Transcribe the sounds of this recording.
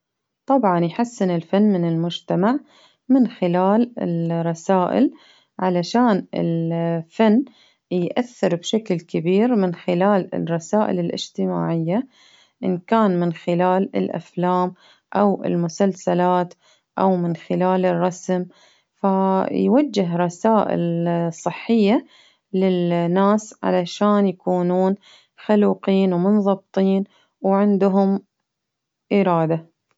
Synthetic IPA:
t̪ˤɑbʕɑnjħasːɪnɪlfanːmɪnɪlmʊd͡ʒt̪amaʕ | mɪnxɪlaːlɪ̰rˤɑsaːʔɪ̰l | ʕalaʃaːnɪ̰lfanː | jʔaθːɪɾbʃaklkabiːɾmɪnxɪlaːlɪ̰rˤːɑsaːʔɪ̰lɪlʔɪ̰d͡ʒt̪ɪma̰ːʕɪjːa | ʔɪ̰nkaːnmɪnxɪlaːlɪ̰lʔa̰flaːm | ʔawɪ̰lmʊsalsalaːt̪ | ʔawmɪnxɪlaːlɪrˤːɑsm | fajwad͡ʒːɪɦɾˤɑsaːʔɪ̰lsˤɨħːɪjːa | lɪnːaːsʕa̰laʃaːnjakuːnuːn | xaluːqiːnwmʊnðˤɑb̚t̪ˤiːn | wʕɪnd̪ɦʊm | ʔɪɾɑːd̪a

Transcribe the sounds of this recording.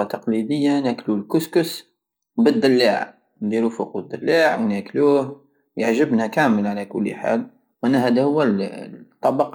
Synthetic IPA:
ɑt̪ɑqlid̪əjːanæklulkʊskʊs | bəd̪ːɑlːaʕ | nd̪iɾufʊqwəd̪əlːaʕwnækluːh | jaʕʒəbnækæməlʕalækʊlːħa̰l | ʔænæhæd̪æhʊwːæt̪ˤːɑbɑq

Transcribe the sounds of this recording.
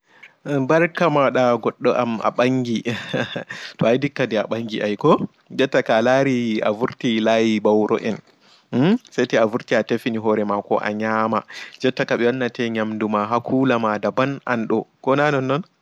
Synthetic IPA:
baɾkamawaɗaɡɔɗːɔʔa̰ma̰ɓaŋɡi | tɔajdikːadɛaɓaŋɡiʔajkɔ | d͡ʒɛtːakalaɾia̰vuɾtilajibawɾɔ̰ʔɛn | sajtɛavuɾtiatefiniɦɔɾɛmakɔ̰ʔa̰ɲaːmad͡ʒɛtːakaɓɛwanːatɛɲamdumaɦakʰuːlamadabanʔanɗɔkɔnanɔnːɔn

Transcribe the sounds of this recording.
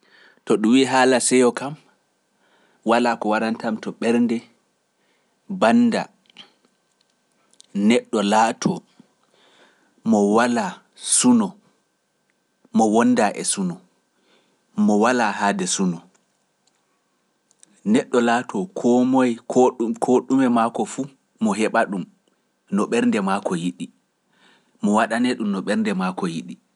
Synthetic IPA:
tɔɗuwiːɦaːlasɛjɔkam | walakɔwaɾantamtɔɓɛɾndɛ | banːda̰ | nɛɗːɔlaːtʰɔ | mɔwala | sunɔ | mɔwɔnːdaʔɛ̰sunɔ | mɔwalahadɛsunɔ | nɛɗːɔlaːtʰɔkʰɔmɔjkʰkʰoɗumɛmakɔfu | mɔɦɛɓaɗum | nɔɓɛɾndɛmakɔjiɗi | mɔwaɗanɛɗumnɔɓɛɾndɛmakɔjiɗi

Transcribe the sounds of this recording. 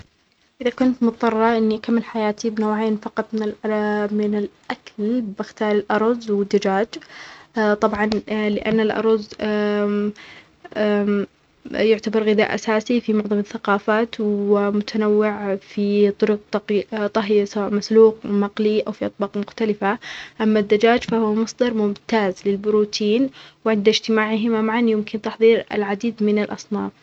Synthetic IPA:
ʔɪðakʊnt̪mʊt̪t̪ˤːɑrˤːɑʔɪnːikamːɪlħajaːt̪ibnoːʕeːnfɑqɑt̪ˤmɪnɪlmɪnɪlʔakalbɪxt̪ɑːɾˤɪlʔɑɾˤɑzwɪd̪ːad͡ʒaːd͡ʒ | t̪ˤɑbʕɑnlɪʔa̰nːalʔɑ̰ɾˤɑz | jʊʕt̪abɑɾˤɣɪða̰ːʔa̰saːsifimʊʕðˤɑmɪθːaqɑːfaːt̪wɪmʊt̪ʰanawːɪʕfit̪ˤʊɾʊq̚t̪t̪ˤɑɦjasawaːʔmasluːqmɑqliʔawfiʔɑt̪̚ˤbɑːqmʊxt̪alɪfaʔamːad̪ːad͡ʒaːd͡ʒfahʊːmɑsˤd̪ɑɾˤmʊmt̪aːzlɪlbʊɾuːt̪ʰiːnwɪʕɪnd̪ad͡ʒt̪ɪmaːʕɦɪmamaʕanjɪmkɪnt̪ɑħðˤiːɾa̰lʕad̪iːd̪mɪnalʔɑ̰sˤnɑːf

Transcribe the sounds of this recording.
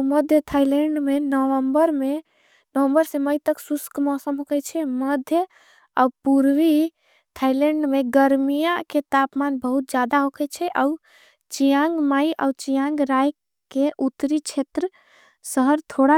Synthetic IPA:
məd̪ʱjət̪ʰajlẽɳɖmenəʋəmbəɾme | nəʋəmbəɾseməjt̪əksuskmɔsəmɦokɛt͡ʃʰɛməd̪ʱjə | a̰puɾʋi | t̪ʰajlẽɳɖmeɡəɾmijaket̪apmanbəɦut̪̚d͡ʒad̪aɦokʰɛt͡ʃʰɛʔau | t͡ʃijãŋɡmaiʔa̰ut͡ʃijãŋɡɾaj | keʔut̪ːɾit͡ʃʰet̪ɾə | səɦəɾt̪ʰoɽa

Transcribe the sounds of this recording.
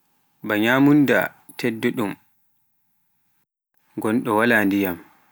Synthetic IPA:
baɲaːmunda̰ | tʰɛdːoɗum | ɡɔnɗɔwalaːndijam

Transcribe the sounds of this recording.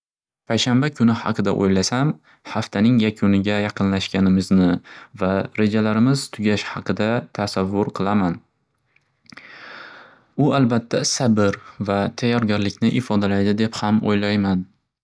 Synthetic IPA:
pʰajʃambakʰʊnɪhɑ̰qʰɨd̪a̰ʔo̰jlasam | haft̪ʰanɪŋjakʲʰʊnɪɡʲajɑqʰɨnlaʃkʲanɪmɪznɪvaɾe̞d͡ʒalaɾɪmɪz̥t̪ʰʊɡʲaʃhɑqɨd̪at̪ʰasavːʊɾqʰɨlˠaman | ʊalbat̪ʰːasabɪɾvat̪ʰajːɒɾɡʲaɾlɪkʲnɪʔɪfɒd̪alajd̪ɪd̪e̞phamo̰jlajman

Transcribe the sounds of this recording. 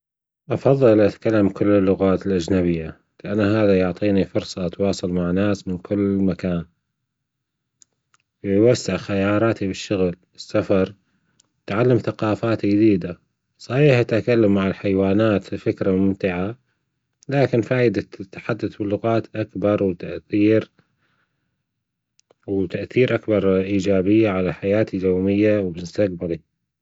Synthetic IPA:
ʔɑfɑðˤːɨllʔat̪kalːamkʊlːɪlːʊɣaːt̪ɪlʔad͡ʒnaβɪjːa | lɪʔanːaɦaːðajʊʕt̪ˤiːnifʊɾsˤɑʔt̪wɑːsˤɑlmaʕnaːsmɪnkʰʊlːmakaːn | wjwasːɪʕxajɑːɾˤɑːt̪ibɪʃːʊɣl | ɪsːafɑɾˤ | t̪ʕalːamθaqɑːfaːt̪d͡ʒd̪iːd̪a | sˤɑħiːħat̪ʔakalːamːaʕalħajwaːnaːt̪fifɪkɾamʊmt̪ɪʕa | laːkɪnfaːʔɪd̪at̪ːaħad̪ːaθbɪlːʊɣɑːt̪ʔakbɑɾˤwt̪aʔθiːɾ | wt̪aʔθiːɾʔakbɑɾˤʔiːd͡ʒaːbɪjːaʕalaħajaːt̪ijoːmɪjːawbɪst̪aq̚bali

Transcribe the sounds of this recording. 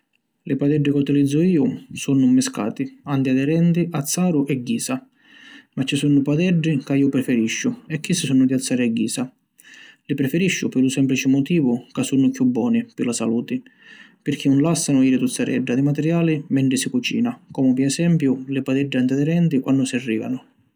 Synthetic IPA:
lɪpad̪ɛɖːɪkut̪ilid̪zːʊiːʊsunːumːɪska̰ːt̪iant̪iad̪ɛɾɛnt̪iʔat̪sːaːɾʊʔɛɡːiːsa | mat͡ʃːisunʊpad̪ɛɖːikaiːʊpɾɛfɛɾiʃːʊɛkːisːisunːʊd̪ialt̪sːaːɾiaɡːiːsa | lɪpɾɛfɛɾiʃːʊpɪɾlʊsɛmplit͡ʃɪmʊt̪iːvʊkasːunːʊkjubːɔːnipɪlasa̰luːt̪ɪ | pɪɾk̟ʰinʊnlasːanʊiːɾɪt̪ut̪saɾɛ̰ɖːad̪ɪmat̪ɛɾjaːlimɛɳʈ̪ɾɪsikut͡ʃḭːnakɔːmʊpɪɛsɛmpjʊlɪpad̪ɛɖːiant̪iad̪ɛɾɛnt̪ikwand̪ʊsiarːḭːva̰nʊ

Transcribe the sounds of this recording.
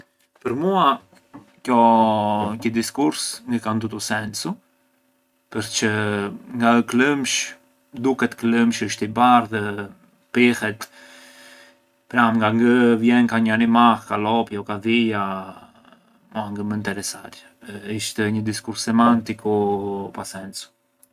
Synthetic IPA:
pəɾmua | kjɔ | kəd̪iskuɾsŋɡəkand̪ut̪usɛnsu | pəɾt͡ʃəŋɡaəkləmʃ | d̪ukɛt̪kləmʃəʃt̪ibaɾðɛ | pihɛt̪ | pɾamŋɡaŋɡəvjɛnkaɲəanimahkalɔpjɔkaðija | maŋɡəmənt̪ɛɾɛsaɾ | iʃt̪ɛɲəd̪iskuɾsːɛmant̪ikupasɛnsu̥

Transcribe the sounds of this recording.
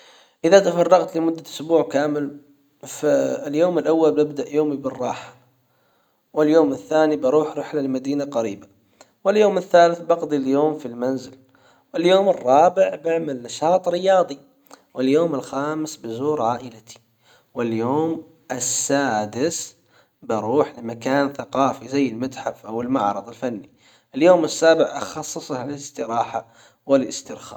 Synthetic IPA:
ʔɪðat̪afɑrˤːɑɣt̪lɪmʊd̪ːaʊsbuːʕkaːmɪl | faljoːmɪlʔawːalbɪbd̪aʔjoːmibɪrˤːɑ̰ːħḁ | wɪljoːmɪθːaːnibɑɾˤuːħɾɪħlalmad̪iːnaqaɾiːba | wɪljoːmɪθːaːlɪθbɑɣd̪ˤiljoːmfilmanzɪl | wɪljoːmɪrˤːɑːbɪʕbɪʕmalnaʃɑːt̪ˤɾɪjɑːðˤi | wɪljoːmɪlxaːmɪsbɪzuːɾʕaːʔɪlat̪ʰi̥ | wɪljoːm | ʔɪsːaːd̪ɪs | bɑɾuːħlɪmakaːnθaqɑːfizajːɪlmat̪ħafʔawɪlmaʕɾˤɑðˤɪlfanːi | ʔɪljoːmɪsːaːbɪʕʔɑxɑsˤːɨsˤhalalɪst̪ɪɾɑːħa̰ | wɪlɪst̪ɪɾxa̰ː

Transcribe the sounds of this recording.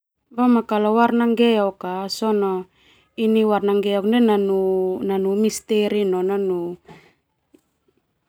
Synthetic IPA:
bamakalowaɾnaŋɡeokasono | iniwarnaŋɡeokndenanunanumist̪eɾinonanu

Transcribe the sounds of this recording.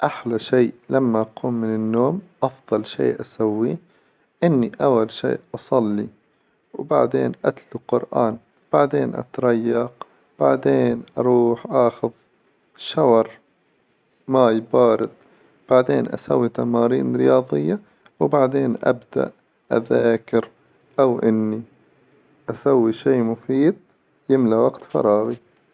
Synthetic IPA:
ʔaħlaʃiːʔlamːaʔaquːmːɪnɪnːoːmʔɑfðˤɑlʃḛːʔasawːi | ʔɪnːiʔawːalʃḭːʔʔɑsˤɑlːi | wbaʕd̪eːnʔat̪lʊqʊɾʔa̰ːn | b̥aʕd̪eːnʔɑ̰t̪ɾˤɑjːɑq | b̥aʕd̪eːnʔɑɾˤuːħʔaxʊð | ʃawɑɾˤ | majbɑːɾɪt̪̚ˤ | b̥aʕd̪eːnʔa̰sawːit̪amɑːɾḭːnɾɪjɑːðˤɪjːa | wbaʕd̪eːnʔa̰bd̪a̰ʔ | ʔa̰ðaːkɪɾ | ʔawʔɪnːi | ʔasawːiʃiːmʊfiːd̪̚ | jɪmlaʔwaɡt̪fɑ̰ɾˤɑːɣi

